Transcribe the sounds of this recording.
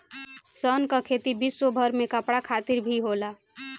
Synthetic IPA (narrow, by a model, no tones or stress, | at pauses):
sənkəkʰet̪ibisːobʱəɾmekəpɽakʰat̪iɾbʱiɦola